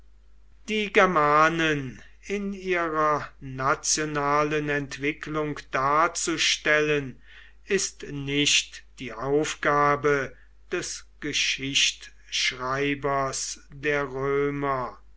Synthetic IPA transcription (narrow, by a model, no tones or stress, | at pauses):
d̥iːɡɛɐmaːnən | ɪniːʁɐnat͡sjonaːlənɛntv̥ɪklʊŋkd̪̥aːɐt͡suʃtɛlən | ɪstnɪʃtd̥iːʔaʊfɡ̥aːbə | d̥ɛsɡ̥əʃɪʃt | ʃʁaɪbɐsdeːɐʁøːmɐ